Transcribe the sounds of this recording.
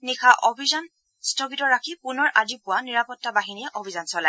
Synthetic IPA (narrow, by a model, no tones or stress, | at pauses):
nikʰaʔobʱizan | stʰɔɡitɔɹakʰipʊnɔɹʔazipʊaniɹapɔtːabaɦiniɛʔobʱizansɔlaj